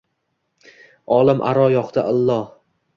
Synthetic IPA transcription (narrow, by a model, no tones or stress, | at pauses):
ɒlˠɪmʔa̰ɾɒjɒqt̪ʰaʔalˠːɒh